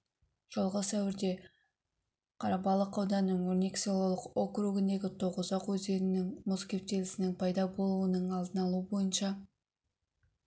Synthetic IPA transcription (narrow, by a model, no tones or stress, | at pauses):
ʒ̥olˠʁəsæwɪɾd̪e̞ | qʰɑɾɑpɑlˠəqɑwd̪ɑnːəɴwɵɾne̞kʲselˠolˠəqokɾuɡɪnd̪e̞ɡʲɪt̪ʰo̞ʁəzɑqwɵzd̪e̞ɾɪnɪŋmoskʲe̞wp̚t̪e̞lɪsɪnɪŋpʰɑjd̪ɑbo̞lˠuənəɴɑlˠd̪ənɑlˠuəbo̞jənʃɑ